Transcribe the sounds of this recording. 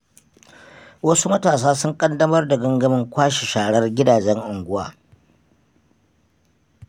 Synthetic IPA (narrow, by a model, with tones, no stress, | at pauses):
wɐ˦su˦mɐ˦taː˨s̬aː˦sʊ˦ŋkʼɐ˦ndɐ˦mɐ˦rda˨ɡɐ˦ŋɡɐ˦mɪ˦ŋkʷaː˦ʃe˨ʃaː˨ɽɐ˦rɡʲɪ˦daː˨d͡ʒɛ˦ŋʔʊ˨ŋɡʷʊ˦wa̰ː˦